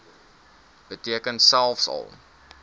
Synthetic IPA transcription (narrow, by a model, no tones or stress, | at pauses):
b̥ətiəkənsælˠfsɐ̰lˠ